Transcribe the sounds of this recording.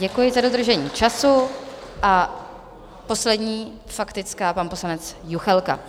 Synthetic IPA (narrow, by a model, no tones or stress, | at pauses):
ɟɛkujɪzado̞d̪r̩ʒɛɲiːt͡ʃasuʔa | po̞slɛdɲiː | fakt̪ɪt͡skaːpanpo̞slanɛt͡sjuxɛlka̰